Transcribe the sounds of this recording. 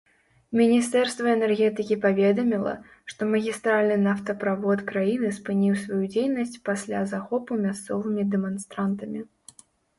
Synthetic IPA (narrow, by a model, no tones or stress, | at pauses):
mʲinʲist̪ɛrst̪vɐɛnɛrɣʲɛt̪ɨkʲipavʲɛd̪ɐmʲilˠɐ̰ | ʂt̪ɔmɐɣʲist̪ɾalʲnɨnaft̪ɐpɾavɔt̪kɾajinɨspɨnʲiwsvajud͡zʲejnɐsʲt͡sʲpasʲlʲazaxɔpumʲast̪sɔvɨmʲid̪ɛmanst̪ɾant̪ɐmʲi